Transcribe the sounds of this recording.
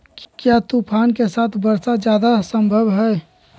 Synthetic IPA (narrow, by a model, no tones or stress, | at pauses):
kjat̪upʰaːnkesaːt̪ʰbəɾsad͡ʒjad̪asəmbʱəbɦɛ